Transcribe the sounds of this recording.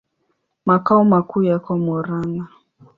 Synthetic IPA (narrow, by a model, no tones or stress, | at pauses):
makaɔmakujakɔmɔɾana